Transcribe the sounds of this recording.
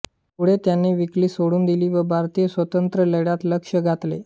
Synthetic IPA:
puɽ̤et̪janːiʋikliːsoɽuːnd̪iliːʋəbʱaɾt̪ijəsʋət̪ənt̪ɾələɽjat̪ləkʂəɡʱat̪lḛ

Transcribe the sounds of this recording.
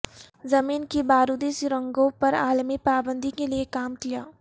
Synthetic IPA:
zɐmiːnkebaːɾud̪eːʃɾə̃ŋɡõpɐɾaːlmipaːbə̃nd̪ʱikeliekaːmkijaː

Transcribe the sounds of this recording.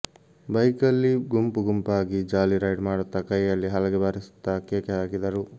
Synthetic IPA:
bɐjkɐlːiɡumpuɡumpaːɡid͡ʒaːliɾɐjɖmaːɽut̪ːɐkɐjːɐlːiɦɐlɐɡebaːɾisu̥t̪ːɐːkjeːkeaːɡid̪ɐɾu

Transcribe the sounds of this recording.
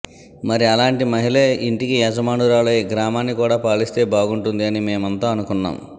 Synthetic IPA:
mɐɾiɐlaːɳʈimɐɦileiɳʈikiɐd͡ʒɐmaːɳuɾaːleɡɾaːmaːnːikuːɽaːpaːɭist̪e̞ːbaːɡuɳʈund̪iɐnime̞ːmɐnt̪aːɐnukunːa̰ːm

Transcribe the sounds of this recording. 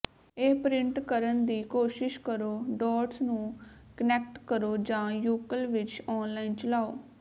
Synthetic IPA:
eːpɾɪɳʈkəɾənd̪iːkoːʃɪʃkəɾoːɖɔːʈsnũːkənɛːk̚ʈkəɾoːd͡ʒãːjuːkəlʋɪt͡ʃɔːnlaːint͡ʃəlaːoː

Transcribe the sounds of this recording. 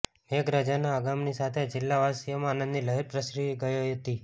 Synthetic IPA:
ekɾad͡ʒanaːɡamnisat̪ʰed͡ʒɪlːaʋasijəmãːnənd̪niləɦiɾpɾəsɾiiɡəjojɦət̪i

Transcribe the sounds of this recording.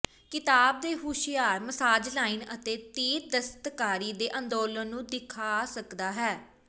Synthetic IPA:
kɪt̪aːb̚d̪eːɦuːʃɪjaːɾməsaːd͡ʒlaːɪːnə̰t̪eːt̪iːɾd̪əst̪kaːɾiːd̪eːʔə̃nd̪oːlənːũːd̪ɪkʰaːsəkd̪aːɦɛː

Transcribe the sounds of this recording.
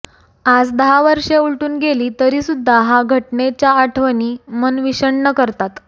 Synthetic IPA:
ad͡zd̪əɦaʋəɾʂeuɭʈuːnɡeliːt̪əɾiːsud̪ʱːaɦaɡʱəʈnet͡ɕjaːʈʰʋəniːmənʋiɕəɳnəkəɾt̪at̪

